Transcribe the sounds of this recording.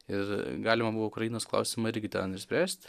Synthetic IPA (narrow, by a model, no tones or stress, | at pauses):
ɪrɡɑːlʲɪmɐbuʋoʊkɾɐjiːnoːsklˠɐ̰ʊsʲɪmɐɪɾʲɡʲɪt̪ʲɛ̰nɪʃʲsʲpʲɾʲæːsʲt̪ʲ